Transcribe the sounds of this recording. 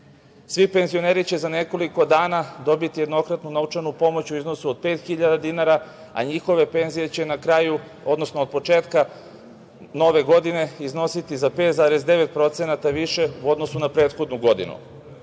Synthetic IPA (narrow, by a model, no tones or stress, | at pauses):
sʋipe̞nzioneːɾit͡ɕe̞zane̞ko̞liko̞d̪aːnad̪o̞bit̪ijed̪no̞kɾat̪nunaut͡ʃanupo̞mot͡ɕuizno̞suod̪̚pe̞ːt̪xiʎad̪ad̪inaɾa | a̰ɲixo̞ʋe̞pe̞nzije̞t͡ɕe̞nakɾaːju | o̞d̪no̞snoːd̪̚po̞t͡ʃe̞ːt̪ka | no̞ʋe̞ɡo̞d̪ine̞izno̞sit̪izapet̪zaːɾezd̪e̞ʋe̞t̪̚pɾo̞t̪senat̪aʋiʃe̞uo̞d̪no̞sunapɾeːt̪xo̞d̪nuɡo̞d̪ḭnṵ